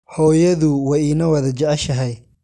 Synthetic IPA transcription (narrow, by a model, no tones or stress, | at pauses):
hɔːjɐðʊwɑinɐwɐðɐd͡ʒɐɐʃɐɦɛj